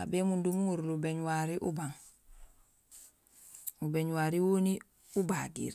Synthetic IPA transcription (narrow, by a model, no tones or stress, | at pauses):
a̰bemundumuŋuɾlubeɲuwaɾiʔubaŋ | ubeɲuwaːɾiwoni | ubadḭːɾ